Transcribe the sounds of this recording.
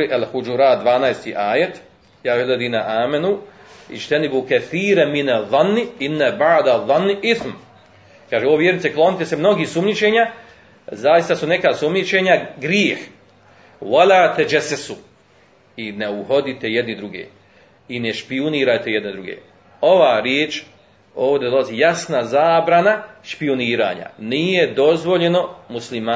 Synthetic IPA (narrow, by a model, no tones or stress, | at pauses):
iʔælhud͡ʒuɾaːt̪̚d̪ʋaːnaːjst̪iːʔaːjet̪ | jaːized̪iːnaʔaːmenu | ḭt͡ʃt̪ɛnibukɛθiːɾaminaðˤːɑnːiinːabaʕd̪aðˤːɑnːʔiθm | kaːʒeoʋoʋjeɾnit̪seklˠo̞nit̪esemno̞ɡiːhsumɲit͡ʃeːɲa | zaːjist̪asune̞kaːsumɲit͡ʃeɲaɡɾjiːh | ʋoʎaːt̪e̞d͡ʒesesu | ineuho̞d̪it̪e̞jed̪nid̪ɾuɡḛː | ineʃpiuniːɾat̪e̞je̞d̪ned̪ɾuɡḛː | o̞ʋaːɾjeːt͡ʃ | o̞ːʋd̪ed̪o̞laziːjasnazaːbɾanaʃpioniːɾa̰ːɲa̰nije̞d̪o̞zʋo̞ʎe̞no̞muslimaː